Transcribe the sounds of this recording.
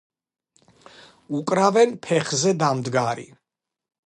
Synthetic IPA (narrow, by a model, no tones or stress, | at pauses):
ukʼɾavɛnpʰɛχzɛd̪amd̪ɡaɾḭ